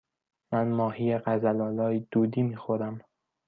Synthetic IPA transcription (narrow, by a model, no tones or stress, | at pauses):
mænmɒːhiːjeɢæzælɒːlɒːid̪uːd̪iːmiːxoɾæm